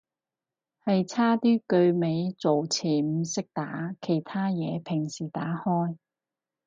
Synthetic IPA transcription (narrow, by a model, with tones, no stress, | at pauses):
hɐ˨jt͡sʰaː˥t̪iː˥kɵ˧ɥme˨˧jt͡so˨wt͡sʰiː˨˩m̩˨˧˩sɪ˥k̚t̪aː˨˥kʰe˨˩jt̪ʰaː˥jɛː˨˧pʰɪ˨˩ŋsiː˨˩t̪aː˨˥hɔː˥j